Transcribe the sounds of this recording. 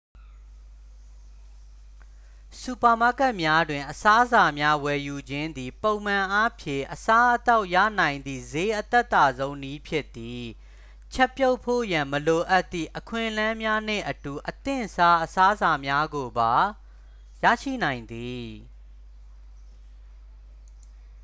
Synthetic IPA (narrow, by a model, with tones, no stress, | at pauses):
su˨pa˨ma˦˨kɛ˦ʔmja˦dwɪ̃˨ʔəsa˦za˨mja˦wɛ˨ju˨d͡ʑɪ̃˦nd̪i˨põ˨ʊ̃mã˨ʔa˦pʰjɪ̰̃˦˨ʔəsa˦ʔət̪a˦ʊʔja̰˦˨nã˨ɪ̃nd̪ðḭ˦˨ze˦ʔət̪ɛ˦ʔt̪ːa˨zõ˦ʊ̃ni˦pʰjɪ˦ʔt̪ːi˨ | t͡ɕʰɛ˦pjo˦ʊpʰːo̰˦˨jã˨məlo˨ʔa˦t̪ːḭ˦˨ʔəkʰwɪ̰̃˦˨ʔlã˦mja˦n̥ɪ̰̃˦˨ʔətu˨ʔət̪ɪ̰̃˦˨sa˦ʔəsa˦za˨mja˦ɡo˨ba˨ | ja̰˦˨ʃḭ˦˨nã˨ɪ̃nd̪i˨